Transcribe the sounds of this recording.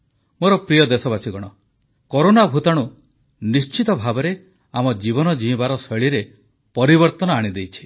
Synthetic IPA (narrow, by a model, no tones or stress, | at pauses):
moɾɔpɾijɔd̪esɔbasiɡɔɽ̃ɔ | koɾonabʱut̪aɽ̃u | nist͡ʃit̪ɔbʱabɔɾe | amɔd͡ʒibɔnɔd͡ʒĩĩbaɾɔsɔɭiɾe | pɔɾibɔɾt̪ɔnɔaɽ̃id̪ejt͡ʃʰi̥